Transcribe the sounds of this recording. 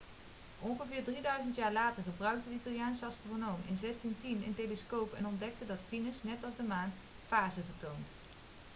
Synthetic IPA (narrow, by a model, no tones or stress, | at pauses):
ʔɔnχəvɪːɹdridœɥzəntjaːɹlaːtəɹχəbrœɥk̚tədəitɑlˠjaːnsəɑstronowmɪ̰nzɛstintinɪntejləskowpɛ̰nɔndɛk̚tədɑtfinəsnɛtɑlˠzdəmaːn | faːzəvəɹtownt